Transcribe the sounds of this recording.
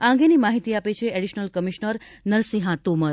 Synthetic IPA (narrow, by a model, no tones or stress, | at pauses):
aə̃ŋ̆ɡenimaɦit̪iapet͡ʃʰeeɽiʃnəlkəmiʃnəɾnəɾsiɦãt̪oməɾ